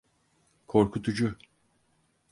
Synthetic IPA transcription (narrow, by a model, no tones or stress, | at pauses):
kʰo̞ɾkʰut̪ʰud͡ʒu